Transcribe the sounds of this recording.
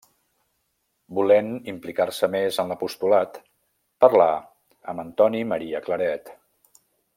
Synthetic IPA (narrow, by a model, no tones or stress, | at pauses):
bulenimplikarsəmezənləpust̪ulat̪ | pərla | ə̰mənt̪ɔniməɾiəkləɾɛt̪